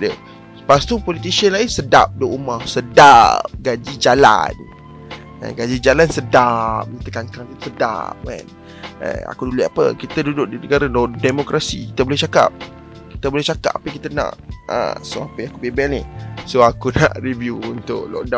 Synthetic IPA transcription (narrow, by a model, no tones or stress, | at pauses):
də | past̪upolit̪̬isiənlainsədap̚doʔumahsədap̚ɡad͡ʒid͡ʒala̰n | ə̰ɡad͡ʒid͡ʒalansədap̚kit̪əkankɾakit̪səda̰p̚ka̰n | ə̰a̰kuduliapə̰kit̪ədudʊk̚dinəɡaɾadodemokɾʔasḭki̥t̪əbolɛht͡ʃaka̰p̚ | kit̪əbolɛht͡ʃaka̰p̚apəkit̪anã̰ʔə̰soapəjãŋakubebanɪ̰soakunã̰ʔɾivjuunt̪ʊ̰ʔlɔ̰ʔda